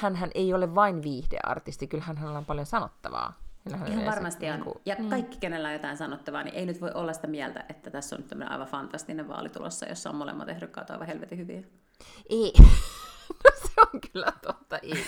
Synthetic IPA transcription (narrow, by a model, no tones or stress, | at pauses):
hænɦænʔeioleʋʋɑinʋiːhd̥ḛʔɑ̰rt̪ist̪ikylhænhænolempɑljonsɑnot̪ːɑʋɑ̰ːhinːæhæneihɑʋɑrmɑst̪iɑkṵjɑkːɑikːi̥kenelːæojot̪ɑinsɑnot̪ːɑʋɑnḭʔeinyt̪ʋoiʔolːɑsi̥t̪æmiælt̪æ̰ʔet̪ːæt̪æsːo̰nyt̪æmːənḛʔɑ̰ˑiʋɑfɑnt̪ɑst̪ineʋʋɑ̰ːlit̪ṵlo̰sːɑ̰jo̰sːɑo̰mmolḛmːɑ̰t̪ehɾykkɑ̰ːt̪oɑ̰ˑiʋɑhelʋet̪ihyʋḭæ | ʔeː | noseoŋkylːæt̪ot̪ːɑʔi